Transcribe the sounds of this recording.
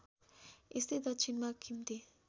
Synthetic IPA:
est̪id̪ʌtt͡ʃʰinmakʰimt̪e

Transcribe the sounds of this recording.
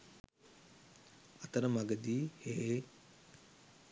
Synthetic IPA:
ɐt̪əɾəmaɡəd̪iːhee

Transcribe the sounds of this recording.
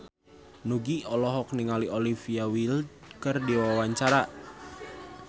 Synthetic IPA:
nuɡiɔlɔɦɔk̚niŋaliʔolifiawil | kərdiwawaɲt͡ʃaɾaʔ

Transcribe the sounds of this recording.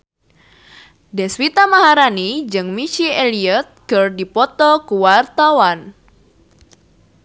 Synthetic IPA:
dɛswit̪amaɦaɾanid͡ʒɨŋmit͡ʃieliət̪̚kɨrdipɔt̪ɔkuwart̪awan

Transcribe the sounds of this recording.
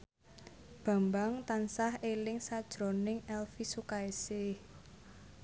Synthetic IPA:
b̥a̤mbaŋt̪ansahelɪŋsad̥ʒ̥ɾo̤nɪŋɛlfisukaesɪh

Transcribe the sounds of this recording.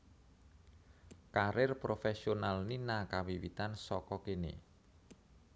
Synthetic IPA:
kaɾɪrpɾofɛsionalninakawiwḭt̪ansɔkɔkenḛ

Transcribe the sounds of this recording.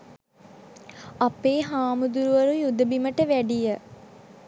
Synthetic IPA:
apeːɦaːmud̪uɾuʋəɾujud̪əbiməʈəʋæɖijə

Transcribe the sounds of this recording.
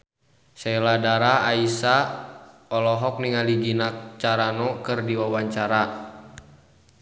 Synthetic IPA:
sɛladaɾaaisa | ɔlɔɦɔk̚niŋaliɡinat͡ʃaɾanɔkɨrdiwawaɲt͡ʃaɾa

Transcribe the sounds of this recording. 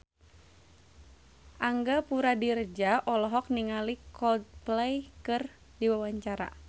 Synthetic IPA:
ʔaŋɡapuɾadird͡ʒaʔɔlɔɦɔk̚niŋalikɔd̪̚plɛjkɨr | diwawaɲt͡ʃaɾa̰

